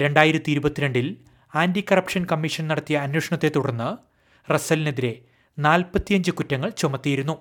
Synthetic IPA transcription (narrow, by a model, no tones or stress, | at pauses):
ɾe̞ɳɖaːjiɾɐt̪ːiiɾubɐt̪ːiɾe̞ɳɖil | aːndikɐrɐpʂɐnkɐmːiʂɐnnɐɽɐt̪ːijɐːnwoːʂɐɳɐt̪ːe̞t̪ːuɽɐnːɨ | resɐlneðiɾe̞ | naːlpɐt̪ːijɐɲd͡ʑɨkutːɐŋːɐɭt͡ɕomɐt̪ːijɐiɾunːu